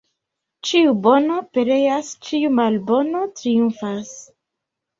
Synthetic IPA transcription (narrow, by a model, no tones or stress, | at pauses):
t͡ʃiubo̞no̞pe̞ɾe̞jast͡ʃiumalbo̞no̞tɾijunfas